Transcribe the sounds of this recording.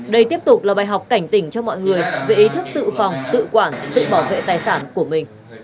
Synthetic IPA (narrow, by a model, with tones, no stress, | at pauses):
ɗə˧jt̪i˦˥əp̚t̪ʊ˨˩k͡p̚laː˨˩ɓaː˨˩jɦa˨˩wk͡p̚ka˧˩jŋ̟t̪ï˧˩ŋ̟t͡ɕɔ˧mɔ̰˧˨jŋɨ˨˩əjve˨˩ʔi˨˦t̪ʰɨ˦˥k̚t̪ɨ̰˧˨fa˨˩wŋ͡mt̪ɨ̰˧˨kwaː˧˩nt̪ɨ̰˧˨ɓaː˧˩wvḛ˧˨t̪aː˨˩jsaː˧˩nku˧˩əmï˨˩ŋ̟